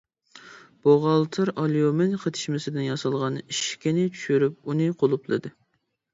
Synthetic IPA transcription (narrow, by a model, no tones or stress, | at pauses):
b̥oʁɑlˠt̪ʰɨɾʔɑlˠijomɪnqʰət̪ʰɪ̥ʃmɪsɪd̪ɪnjɑsɑlˠʁɑniʃkʲɪnɪt͡ʃʰy̥ʃyɾyp̚unɨqʰolˠuplˠɨ̰d̪ɨ